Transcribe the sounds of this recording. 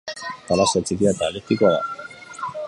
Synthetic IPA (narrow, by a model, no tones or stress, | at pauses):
paɾasat͡sikiat̪aːleɾt̪ikoaða̰